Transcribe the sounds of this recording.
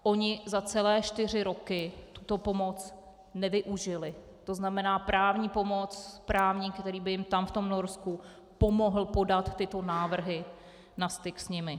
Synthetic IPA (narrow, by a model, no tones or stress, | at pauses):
ʔo̞ɲɪzat͡sɛlɛːʃt̪ɪr̝ɪɾo̞kɪt̪ut̪o̞po̞mo̞t͡s | nɛvɪʔuʒɪlɪ | t̪o̞znamɛnaːpɾaːvɲiːpo̞mo̞t͡spɾaːvɲikt̪ɛɾiːbɪjɪmt̪amft̪o̞mno̞ɾsku | po̞mo̞ɦl̩po̞dat̪ːɪt̪o̞naːvr̩ɦɪ | nast̪ɪksɲɪmɪ